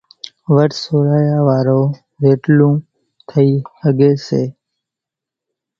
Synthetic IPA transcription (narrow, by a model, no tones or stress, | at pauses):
ʋəɾsoːɾaːjaːʋaːɾõː | ʋeːʈlũː | t̪ʰəiːhəɡeːseː